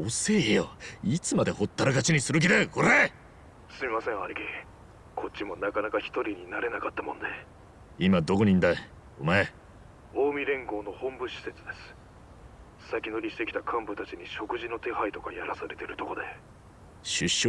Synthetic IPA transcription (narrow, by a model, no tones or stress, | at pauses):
ose̞ːejoit͡sɨmad̪e̞ho̞t̪ːaɾaɡat͡ɕiɲ̟isɨɾɯ̟k̬ʲid̪eko̞ɾe̞ | sɨmʲimasẽ̞aɾʲiɡʲi | kʰo̞t͡ɕːimo̞nakanakaçi̥t̪o̞ɾʲiɲ̟inaɾe̞nakat̪ːamõ̞̰nd̪e̞ | imad̪o̞koɲ̟ĩnd̪ae | omae | o̞ːmʲiɾẽ̞ŋɡo̞ːno̞hõ̞mbɯ̟ɕi̥se̞t͡sɨd̪e̞sɨ̥ | sakʲino̞ɾʲiɕi̥t̪e̞kʲi̥t̪akʰãmbɯ̟t̪at͡ɕiɲ̟iɕo̞kɯ̟ʑino̞t̪e̞hait̪o̞kajaɾasaɾe̞t̪e̞ɾɯ̟t̪o̞ko̞d̪e̞ | ɕɨɕː